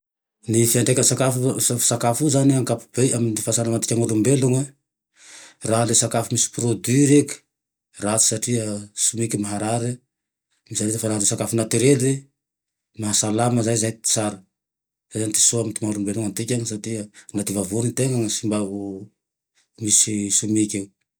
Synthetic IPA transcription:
nifianɳɖ͡ʐekʲənsakafusakafuzaniaŋkapu̥b̥ejʔaminifasanamant̪i̥kʲaŋalumbeluŋa | raɦlesakafumisi̥prod̪iɾekʲi̥ | rat͡si̥saʈ͡ʂiəsumikimaɦaɾaɾi | misanit̪efaɾalesakafunat̪iɾele | maɦasalaməzajzajt̪i̥t͡saɾə | zejzanit̪i̥soamint̪imaalumbeluŋant̪ikʲaŋisaʈ͡ʂiənat̪ivavunit̪eŋaŋəsimbaɦu | misisumikʲew

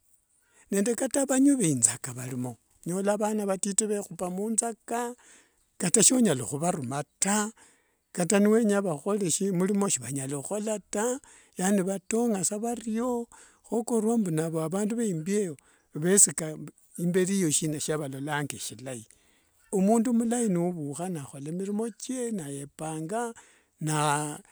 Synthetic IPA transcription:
ne̞ːnde̞kataβaɲuβeinzakaβalimo̞ | ɲo̞laβanaβatiteβexupamuːnzaka | kataʃoɲalo̰xuβaɾumata | kataniwe̞ɲaβaxo̞leʃimulimo̞ʃiβaɲaloxo̞lata | janiβatoŋasaβario̞ | xokorwambunaβoaβaːnduβeimbieo | βesika | imbe̞ɾijo̞ʃinaʃaβalo̞laŋɡeʃilai | omuːndumulainiuβuxanaxo̞lemiɾimo̞t͡ʃenaje̞paːŋɡa | na

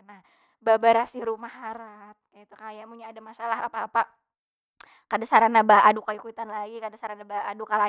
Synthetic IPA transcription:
nah | babaɾasiɾumahaɾat̪̚kait̪ukajamuɲaːdamasalaɦapaːpa | kadasaɾanabaʔadukajukuit̪anlaɡikadasaɾanabaːdukala

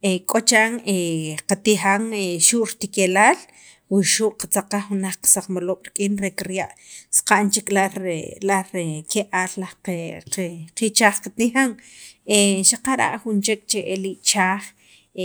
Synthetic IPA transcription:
ekʼot͡ʃaŋeqat̪ixaŋeʃuʔɾt̪ikelaːl | wiʃuʔqat͡saqaχxunaχqḁsaq͡χmaloːɓ̥ɾkʼiːnɾekɾjaʔsqaʔnt͡ʃekʼlalaɾekeʔaːllaqqit͡ʃaːχqat̪ixaŋeʃaqaɾa̰ʔχunt͡ʃekʼt͡ʃeʔeliʔt͡ʃaːχ

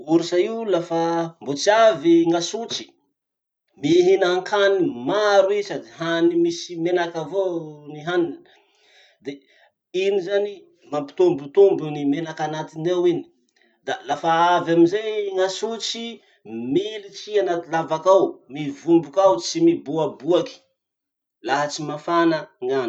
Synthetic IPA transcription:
uɾisaiwlafambot͡siaviŋasut͡si̥ | miɦinaŋkʰanimaɾuisad̪iɦanimisimenakavoniɦanin | d̪e | inizani | mampi̥t̪umbut̪umbunimenakanat̪inewini̥ | d̪alafaavaminzeŋasut͡si | milit͡sianat̪ilavakawmivumbukawt͡simibuabuaki̥ | laɦat͡simafanəŋan

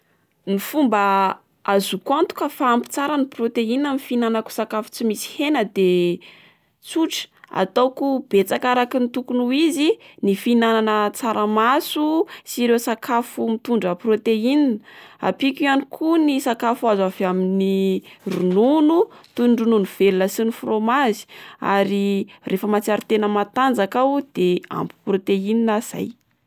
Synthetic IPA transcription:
nifumbə | azukuant̪u̥kəfaampi̥t͡saɾəniprot̪einamnfinanaku̥sakafu̥t͡simisi̥henəd̪e | t͡suʈ͡ʂa̰t̪awkub̥et͡sakaɾakint̪ukunuizinifinananət͡saɾəmasusiɾewsakʰafumit̪uɳɖ͡ʐəprot̪eininəa̰pikianikʰunisakafuazavaminirununut̪uɳɖ͡ʐununuv̥elunəsinifromazi̥a̰ɾirʔefəmat͡saɾit̪enəmat̪and͡zakawd̪̥ea̰mpu̥prot̪eininaz̥a̰j

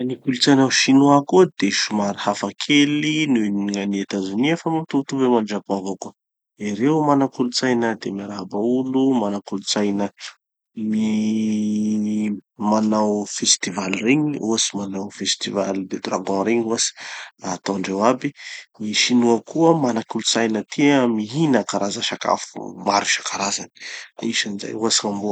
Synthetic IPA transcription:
nikulut͡sajnaʃinuakud̪eʃumaɾihafakʰelinuniŋaniet̪azuniefamamt̪ut̪uvemanɖ͡ʐakãvoku | iɾeumanakulut͡sajnəd̪emaɾabaulumanakulut͡sajnə | mi | manawfest̪ivalireɲiuasimanawfest̪ivalid̪ed̪ɾa̰ɡɔ̃ɾeɲuasi̥at̪ɔ̃ɳɖ͡ʐewabimiʃinuəkuəmanakulut͡sajnət̪ʰiəmiɦinakaɾazaʃaka̰fṵmaɾiʃḁkaɾazani̥iʃəniza̰juasiŋambu

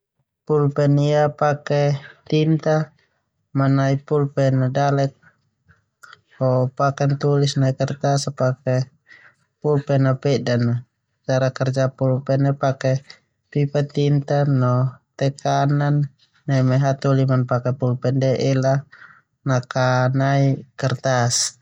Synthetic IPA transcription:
pulpɛniapakɛt̪int̪a | manaipulpɛnadalɛk̚ | hɔpakɛnt̪ulisnaikɛrt̪asapakɛ | pulpɛnapɛdana | t͡ʃaɾakɛrd͡ʒapulpɛnapakɛ | pipat̪int̪anɔt̪ɛkananː | ɛmɛɦat̪ulimanpakɛpulpɛndɛʔɛla | nakanaikɛrt̪as

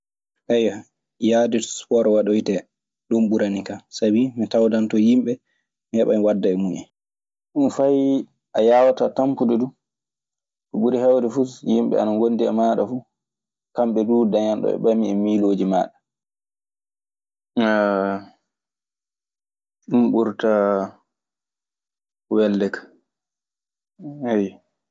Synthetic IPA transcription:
ʔɛjwa | jaːdɛtspɔɾwaɗojtɛ | ɗumɓuɾanikasabimitawdantɔjimɓɛ | mihɛɓamiwadːaɛmuɲɛ̰ | ɗunfaj | ʔajaːwatatampudɔdu | kuɓuɾihɛwdɛfusjimɓɛ̰a̰naŋɡonːdiɛ̰maːɗafu | kamɓɛduːdaɲanɗɔ̰ɛ̰ɓamiɛmiloːd͡ʒima̰ːɗa | t͡ʃumɓuɾta | wɛlːɛkḁ | ɛj

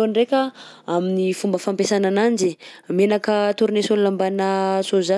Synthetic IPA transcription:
onrekʲəaminifumbəfampesananand͡ʒimenakət̪uɾunesonlambanəsoza

